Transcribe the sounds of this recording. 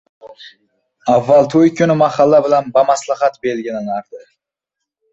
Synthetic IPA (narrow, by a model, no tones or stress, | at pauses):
avːalˠt̪ʰojkʲʰʊnɪmaχalːabɪlanbamaslˠɑχat̪belɡʲɪlanaɾd̪ɪ